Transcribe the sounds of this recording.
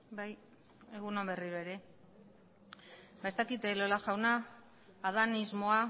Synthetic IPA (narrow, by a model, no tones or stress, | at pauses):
baj | e̞ɣunobe̞riɾoeɾe̞ | be̞st̪akit̪elo̞laʝawnaː | ðanizmo̞a